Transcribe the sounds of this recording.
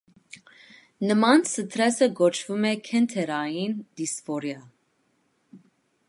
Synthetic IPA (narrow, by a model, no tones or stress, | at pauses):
nəmɑnsət̪ʰɾɛsəɡɔt͡ʃʰvumɛkʰɛnt̪ʰɛɾɑjind̪̥isfɔɾjɑ